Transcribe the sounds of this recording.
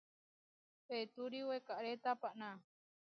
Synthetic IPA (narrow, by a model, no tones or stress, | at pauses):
pet̪uɾiwekaʔɾet̪apaʔnã